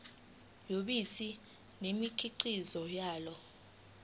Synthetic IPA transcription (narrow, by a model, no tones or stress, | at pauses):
joɓisi | nemikʰiǀizɔjaːlɔ